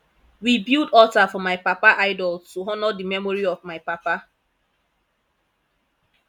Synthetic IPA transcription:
wibildɔtafɔmaɪpapaʔaɪdɔltuɦɔnɔdimɛmɔɾiɔvmaɪpapa

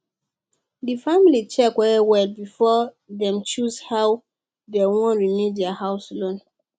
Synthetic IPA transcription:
difamilit͡ʃɛkwɛwɛlbifɔ | ðɛ̃mt͡ʃuzhaw | dɛwɔ̃nɹimidɛahaʊslõn

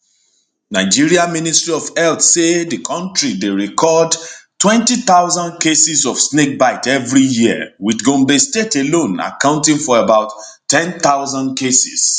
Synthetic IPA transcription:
naɪd͡ʒiɹiaministɹiɔvɛlθsedəkʰɔ̃ntɹideɹikʰɔdtwɛ̃ntit̪aʊzãndkesisɔfsnek̚baɪtɛvɹijiə̰wiθɡõmbestetelõna̰kãʊ̃ntĩŋfɔebaʊtː | ɛ̃nt̪aʊzãndkʰesḭs

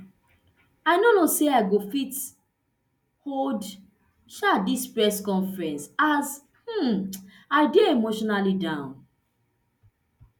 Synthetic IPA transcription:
aɪnonoseaɪɡofit | hod | ʃadispɹɛskɔ̃nfɹɛ̃nsaz | h̩ | aɪdeemoʃɔnalidãʊ̃n

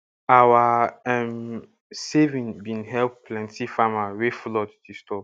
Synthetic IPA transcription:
awaɛm | sevĩnbĩnɦɛlplɛ̃ntifamaweflɔtdistɔp

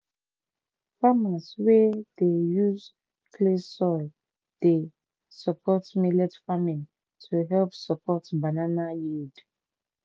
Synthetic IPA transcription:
famaswedejuz | kʰlesɔl | d̥e | səpʰɔtmilɛtfamĩn | tʰuɦɛlpsəpʰɔtbananajid

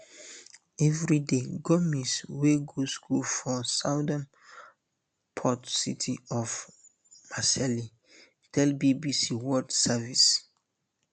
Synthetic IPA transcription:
ɛvɹideɡɔmisweɡoskʰulfɔsaʊdãn | pʰɔtsitʰiɔf | masɛli | d̥ɛlbibisiwɔdsavis

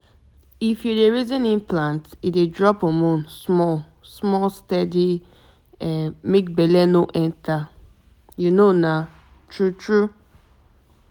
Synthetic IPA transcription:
ifjudeɹizɔ̃nĩnplãntidedɹɔpɔmõnsmɔl | smɔlstɛdi | ɛmek̚bɛlɛnoʔɛ̃ntʰa | junona | tʰɹutɹu

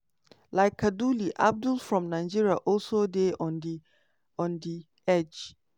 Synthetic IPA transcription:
laɪkʰːaduliʔa̰b̚dulfɹɔ̃mnãɪd͡ʒiɹiaʔɔlsodeɔ̃n | ɔ̃ndi | ɛd͡ʒ

